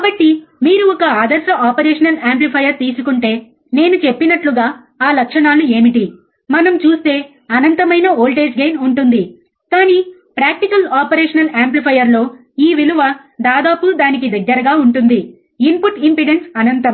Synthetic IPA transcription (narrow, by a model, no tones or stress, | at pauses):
kaːbɐʈːimiːɾuɔkɐaːd̪ɐɾʂɐʔaːpɐɾeːʂɐnɐlaːmplipʰɐjɐɾt̪iːsukuɳʈe̞ː | ne̞ːnut͡ʃepːinɐʈluɡaː | aːlɐkʂɐɳaːlue̞ːmiʈi | mɐnɐmt͡ʃuːst̪e̞ː | ɐnɐnt̪ɐmɐjnɐoːlʈeːd͡ʒɡejnuɳʈund̪i | kaːniː | pɾaːk̚ʈikɐlaːpɐɾeːʂɐnɐlaːmplipʰɐjɐɾlo̞ː | iːʋiluʋɐ | d̪aːd̪aːpud̪aːnik̬id̪ɐɡːɐɾɐɡaːuɳʈund̪i | impuʈimpiɖensɐnɐnt̪ɐm